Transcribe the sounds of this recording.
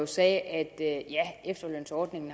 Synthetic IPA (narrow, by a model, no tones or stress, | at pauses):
osɛːʔæd̥jæefd̥ɐlø̰ːnsɒːd̥ne̝ŋn̩